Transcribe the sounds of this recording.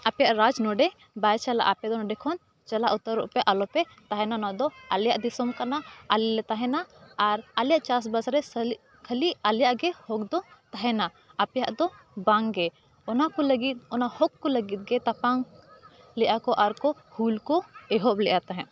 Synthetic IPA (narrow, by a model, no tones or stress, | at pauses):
apɛjaʔɾad͡ʒnɔɖɛ | bajt͡ʃala̰ʔapɛd̪ɔnɔɖɛkʰɔn | t͡ʃalaʔut̪əɾɔ̰ʔpɛʔalɔpɛ | t̪aɦɛnaɔnad̪ɔaljaʔd̪isɔmkanaʔalilɛt̪aɦɛnaːɾaljaʔt͡ʃas̬basɾɛ | kʰəlialjaʔɡɛhɔk̚d̪ɔt̪aɦɛna | apɛjaʔd̪ɔ | bãŋɡɛ | ɔnakɔləɡit̪̚ɔnahɔkːɔləɡit̪̚ɡɛt̪apaŋ | lɛʔakɔʔaɾkɔhulkɔɛɦɔplɛʔat̪aɦɛ̃ʔ